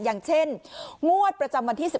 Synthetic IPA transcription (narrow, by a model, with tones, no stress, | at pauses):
jaː˨˩ŋt͡ɕʰe˥˩nŋu˥˩ət̪̚pɾa˧t͡ɕa˧mwa˧nt̪ʰiː˥˩si˨˩